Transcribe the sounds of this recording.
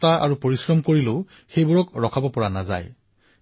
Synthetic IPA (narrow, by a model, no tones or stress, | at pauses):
taʔa̰ɹupoɹisɹɔmkoɹilʊ | xejbuɹɔkɹɔkʰabɔpɔɹanaza̰j